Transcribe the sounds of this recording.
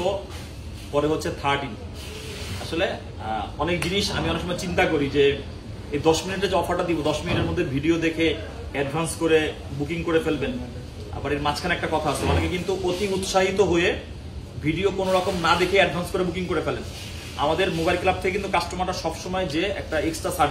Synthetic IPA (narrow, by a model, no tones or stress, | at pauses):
o | poɾeɦotːɕʰet̪ʰaʈin | a̰ʃole | ɔnek̚d͡ʑiniʃa̰miɔnekʃɔmɔet͡ɕint̪akoɾid͡ʑe | ed̪ɔʃminiʈ̬ed͡ʑeɔfaɾʈad̪ibod̪ɔʃminiʈeɾmod̪ʱːebʱiɖiod̪ekʰe | ɛɖbʱanskoɾe | bukiŋkoɾefelben | a̰baɾeɾmat͡ɕʰkʰaneɛk̚ʈakɔt̪ʰaasʰeanekekint̪uʔot̪iut̪ʃaɦit̪oɦoe | bʱiɖiokonoɾɔkomnad̪ekʰeɛɖbʱanskoɾebukiŋkoɾefelen | a̰mad̪eɾmobajlklab̚t̪ʰekekint̪ukasʈomaʈaʃɔbʃomɔed͡ʑeɛ̰k̚ʈaeksʈɾasa